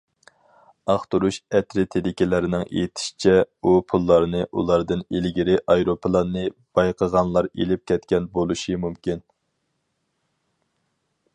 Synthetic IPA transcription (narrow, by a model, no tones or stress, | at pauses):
ɑχt̪uɾuʃɛt̪ɾɪt̪ʰed̪ɪkʲɪlɪɾɪnɪŋḛjt̪ʰɪ̥ʃi̥t͡ʃʰɛupʰulˠːɑɾnɨʔṵlˠɑɾd̪ɨnilɡʲiɾɪʔɑjɾopʰəlˠɑnːɨb̥ɑjqʰəʁɑnlˠɑɾelɪp̚kʲʰɛt̪kʲɛnbolˠuʃɨmumkʲin